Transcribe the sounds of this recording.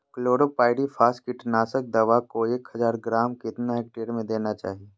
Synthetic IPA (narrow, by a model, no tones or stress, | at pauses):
kloːɽopaːɪɖifʰaːskɪʈnaːsək̚d̪ɐʋakoeːkhɐzaːɾɡɾaːmkɪt̪naɦɛːk̚ʈeːɾmẽd̪eːnat͡ʃa̰ːɦieː